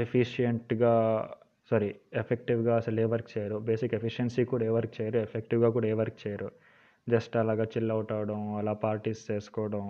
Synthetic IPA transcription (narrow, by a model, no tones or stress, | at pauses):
epʰiʃijeɳʈɡaː | sɐɾiepʰek̚ʈiʋɡaːɐsɐleːʋɐɾkt͡ʃɛːjaɾube̞ːsikepʰiʂɐnsiːkuːɽaeːʋɐɾk̚t͡ʃɛːjaɾuepʰek̚ʈiʋɡaːkuːɽaːeːʋɐɾk̚t͡ʃɛːjaɾu | d͡ʒɐsʈɐlaːɡaːt͡ʃilːɐwuʈaːʋɐɽɐmɐlaːpaːɾʈiːst͡ʃeːsu̥kɔːɐɽɐm